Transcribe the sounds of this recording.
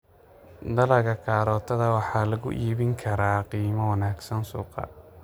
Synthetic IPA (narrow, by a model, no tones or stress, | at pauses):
d̪ɐlɐɣɐkʰaːɾɔːt̪ʰɐðɐwɑħɑːlɐɣʊ̰ʔiːβɪŋkʰɐɾaːqiːmɐwɑnaːɡsɐnsṵːqɑ̰